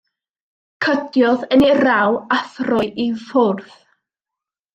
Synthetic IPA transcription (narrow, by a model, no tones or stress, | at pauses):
kʰədjɔðəniɾawaθrʊjʔivʊrθ